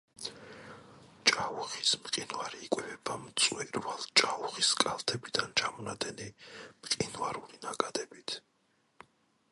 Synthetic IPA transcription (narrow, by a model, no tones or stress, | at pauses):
t͡ʃʼauχismqʼinvaɾiːkʼɛpʰɛbamt̪sʼwɛɾvalˠt͡ʃʼauχiskʼalt̪ʰɛbid̪ant͡ʃʰamɔnad̪ɛnimqʼinvaɾulinakʼad̪ɛbit̪ʰ